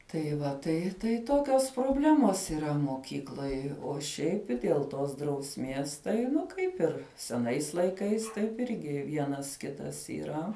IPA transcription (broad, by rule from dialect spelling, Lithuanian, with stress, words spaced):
tɐɪ ˈʋɐ ˈtɐɪ tɐɪ ˈtoːkʲoːs proːˈbʲlʲæːmoːs iːˈrɐ moːˈkʲiːklˠoːj oː ˈʃʲɛɪp ɪ ˈdʲeːlˠ ˈtoːs drɐʊsʲˈmʲiɛs tɐɪ ˈnʊ ˈkɐɪp ɪr sʲɛˈnɐɪs lˠɐɪˈkɐɪs tɐɪp ˈɪrʲɡʲɪ ˈʋʲiɛnɐs ˈkʲɪtɐs iːˈrɐ